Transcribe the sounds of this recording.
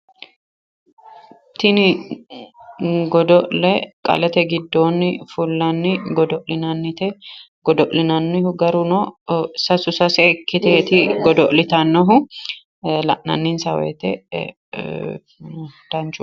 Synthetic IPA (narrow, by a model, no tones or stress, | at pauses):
t̪ɪnɪ | ɡɔd̪ɔʔlɛkʼɐ̰lɛt̪ɛɡɪd̪ːoːnːɪfulːɐnːɪɡɔd̪ɔʔlɪnɐnːɪt̪ɛ | ɡɔd̪ɔʔlɪnɐnːɪhʊɡɐɾʊnosɐsʊsɐsɛkːɪt̪eːt̪ɪɡɔd̪ɔʔlɪt̪ɐnːɔɦʊ | lɐ̰ʔnɐ̰nːɪnsɐwɛ̰ːt̪ɛ | d̪̥ɐnt͡ʃʊ